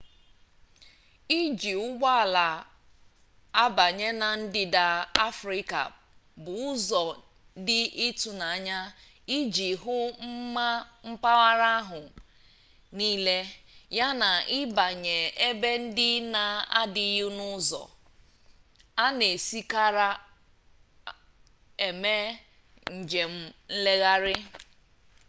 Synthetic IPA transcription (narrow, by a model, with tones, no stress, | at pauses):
i˦d͡ʒi˨ʊ˦ɡʷa˦a˨la˨ | a˦ba˨ɲe˦na˨n̩˦dɪ˦da˨a˦fɾi˦ka̰˨ | bʊ˨ʊ˦zɔ˨ | dɪ˦ʔɪ˦tu˨na˨a˦ɲa˦ | i˦d͡ʒi˨ɦʊ˦m̩˦ma˦m̩˦pa˦wa˦ɾa˦a˦ɦʊ˨ | niː˦le˦ja˦na˨ɪ˦ba˨ɲe˨e˦be˦n̩˦dɪ˦na˨a˦dɪ˨jʊ˦nʊ˦zɔ̰˨ | a˦ne˨si˦ka˦ɾa˦ | e˨me˦ | ŋ̩˨d͡ʒe˨m̩˦n̩˦le˦ɣa˦ɾɪ˦